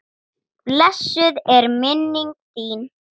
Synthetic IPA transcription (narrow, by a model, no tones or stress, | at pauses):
plɛsʏðɛɾmɪnːɪŋt̪iːn